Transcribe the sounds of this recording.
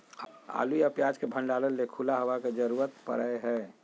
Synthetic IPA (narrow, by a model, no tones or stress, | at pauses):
a̰ːluiəpjad͡ʒkebʱə̃nɖaːləlːekʰulaɦoʋaked͡ʒəɾuɾət̪pə̰ɾəɦɛ